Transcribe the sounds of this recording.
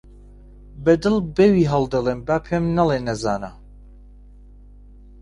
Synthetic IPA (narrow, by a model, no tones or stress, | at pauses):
bɐd̪ɨlˠbɛwiːɦɐlˠd̪ɐlˠeːmbaːpʰemnɐlˠeːnɐzaːna